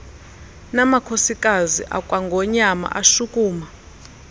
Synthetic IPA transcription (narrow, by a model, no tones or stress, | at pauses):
namakʰosikʼaziʔa̰kʼwaŋɡʱɔɲama̰ʔaʃukʼuːma